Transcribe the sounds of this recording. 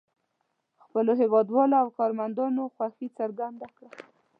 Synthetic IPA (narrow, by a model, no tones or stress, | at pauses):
xpəloɦɪwɑd̪wɑloawkɑɾmand̪ɑnoxwaxit͡saɾɡand̪akɽa